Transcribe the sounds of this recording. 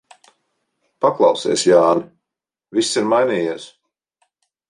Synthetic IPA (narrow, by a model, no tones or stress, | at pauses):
paklˠɑwsɛ̰ɛsjaːn | visːiɾmajnʲiːjiɛs